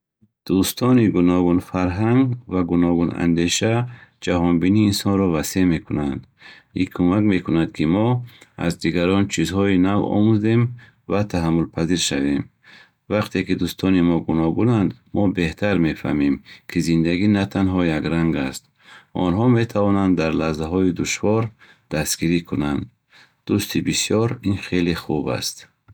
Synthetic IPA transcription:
d̪̥ust̪ʰɔniɡunɔɡunfaɾɦaŋɡvaɡunɔɡuna̰nd̪e̞ʃad͡ʒaɦɔnbiniːnsɔnɾɔvase̞me̞kʰunand̪ | ikʰumakme̞kʰunad̪kʰimɔa̰zd̪iɡaɾɔnt͡ʃʰizɦɔinavɔ̰muze̞m | vat̪ʰaɦamːulpʰaziɾʃave̞m | vaqt̪ʰekid̪ust̪ʰɔnimɔɡunɔɡunand̪mɔbeht̪ʰaɾme̞fa̰mimkʰizind̪aɡinat̪ʰanɦɔjaɡɾaŋɡast̪ | ɔ̰nɦɔme̞t̪ʰavɔnand̪d̪ːaɾlazaɦɔid̪uʃvɔɾ | d̪̥asɡiɾikʰunand̪ | d̪̥ust̪ʰibisijɔɾinχeleχuba̰st̪

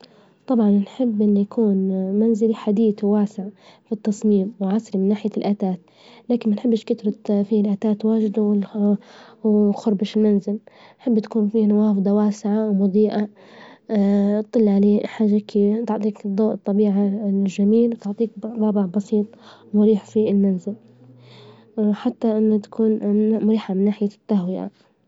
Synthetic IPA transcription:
t̪ˤɑbʕɑnnħɪbːʔɪnːijakʰuːnmanzɪliħad̪iːt̪wwaːsɪʕfit̪ːɑsˤmiːmwʕasɾimɪnːaːħɪjalʔaːt̪aːt̪̚ | laːkɪnmanħɪbːɪʃkɪt̪ɾˤɑt̪fiːlʔaːt̪aːt̪waːʒɪd̪awɪ | wxʊɾˤbɪʃlmanzɪlnħɪbːt̪ḁkuːnfiːnawɑːfd̪ˤɑwaːsɪʕawmʊd̪ˤiːʔa | ɨlːʕaleːħaːʒːakit̪ʊʕt̪ˤiːkd̪ˤːoːʔt̪ˤːɑbiːʕaʒamiːlwt̪ɪʕt̪ˤiːkbˤɑːbɪʕbɑsiːt̪ˤmʊɾiːħfiɪlmanzɪl | ħat̪ːaʔɪnːʊt̪ḁkʰuːnmʊɾiːħamɪnːaːħɪjat̪ːahwɪʔa̰

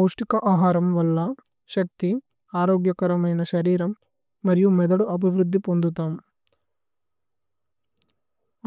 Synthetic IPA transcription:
ɐwʂʈikɐʔaːɦaːɾɐmʋɐlːɐ | ʃɐk̚t̪i | aːɾoːɡjɐkɐɾɐmɐjnɐʃɐɾiːɾɐmː | ɐɾijumɛd̪ɐɽuʔɐbʱiʋɾud̪ːipond̪ut̪aːm

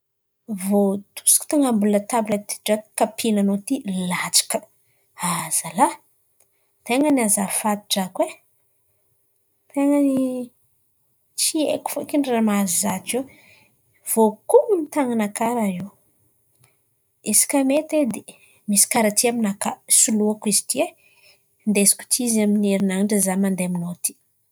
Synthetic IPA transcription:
vot̪ʰu̥si̥ku̥t̪aŋambulət̪abulat̪i̥ʈ͡ʂakkapʰinanot̪ilat͡ʃḁkə̥ | az̥ala | t̪eŋənazafat̪i̥ʈ͡ʂakwe | t̪eŋəni | t͡ʃiḛku̥fokiɳamazizat͡ʃew | v̥okuunit̪aŋanakaɾaiw | esi̥kamet̪ed̪e | misi̥kaɾat̪iaminakasuluakizit̪ie | nd̪esi̥kʲu̥t̪ʰizamineɾinaɳɖ͡ʐazamand̪eaminot̪i̥

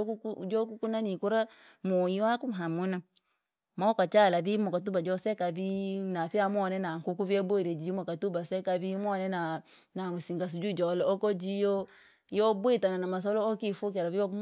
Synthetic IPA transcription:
d͡ʒokukunanikuɾa | mojiakumɦamuna | maokat͡ʃalabimokat̬ubad͡ʒɔsɛkabinafiamɔnɛnaŋ̩kukuvieboiɾed͡ʒimɔkatubasɛkabimɔnɛna | namusiŋɡas̬ud͡ʒud͡ʒɔlɔokod͡ʒijo | jɔbwetananamas̬ɔlɔokifok̬ɛɾavio

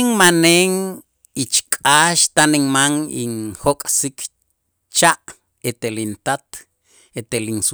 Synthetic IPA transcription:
ŋmaneːŋ | it͡ʃkʼaːʃt̪aniŋmaŋiŋhokʼsikʰ | t͡ʃaʔ | et̪elint̪at̪ | et̪elins

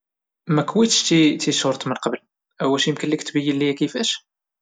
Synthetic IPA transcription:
mækwit̪ʃt̪it̪iʃoɾˤt̪ˤmənqɑbəl | ʔæwːælʃijəmkənlikt̪bəjːəlːijækəfæʃ

